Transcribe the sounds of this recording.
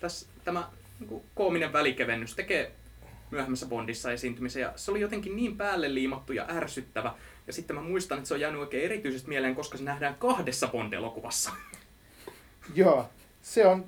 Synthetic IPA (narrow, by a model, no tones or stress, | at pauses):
t̪æst̪æmæ | niːŋkukoːmineʋʋælikeʋenːyst̪ekeː | myæhemːæsːæpondisːɑesiːnt̪ymisejɑ̰seolijot̪eŋkinniːmpæːlːelːiːmɑt̪ːujɑ̰ʔærsyt̪ːæʋæ | jɑsit̪ːemæmuist̪ɑnet̪seojæːnyoikeːerit̪yisest̪miɛeleːŋkoskɑsenæhdæːŋkɑhdesːɑpont̪ḛlokuʋɑsːɑ̥ | jɑː | seon